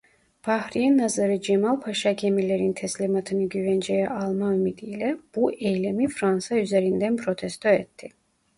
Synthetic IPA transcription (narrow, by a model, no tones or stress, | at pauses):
b̥ahɾijɛnːazaɾɯd͡ʒemalˠpʰaʃacʰemileɾint̪ʰɛslʲimat̪ʰɯnɯɟyvɛnd͡ʒejɛʔɑlˠmaymid̪ijlɛb̥uʔejlemifɾansayzeɾind̪ænpʰɾot̪ʰɛst̪ʰoet̪ʰːi